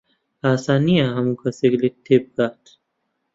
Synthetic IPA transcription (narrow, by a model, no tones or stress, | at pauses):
aːsaːnijaɦɐmukɐseɡlet̪ʰːeb̚ɡaːt̪